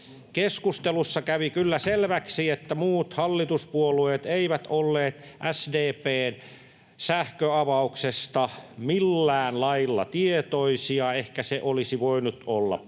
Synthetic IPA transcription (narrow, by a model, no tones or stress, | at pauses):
keskust̪elusːɑkæʋikylːæselʋæksiet̪ːæmuːt̪hɑlːit̪uspuolueːt̪eiʋæt̪olːeːt̪ | ʔæsdeːpeːn | sæhkøɑʋɑuksest̪ɑmilːæːnlɑilːɑ̰t̪iet̪oisiɑehkæseʔolisiʋoinut̪olːɑ̰